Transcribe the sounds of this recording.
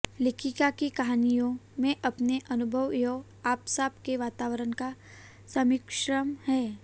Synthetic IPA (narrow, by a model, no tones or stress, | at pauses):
lɪkʰikakikɐɦaːnijõmẽʔɐpneʔɐnʊbʱəʋjoː | aːpsaːbkeʋaːt̪aːʋəɾənka | sɐmɪkʃɾəmhɛː